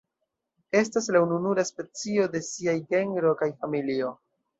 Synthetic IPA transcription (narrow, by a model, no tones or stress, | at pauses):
e̞staslaununuɾaspe̞t͡sio̞de̞siajɡe̞ŋɡɾo̞kajfamilio̞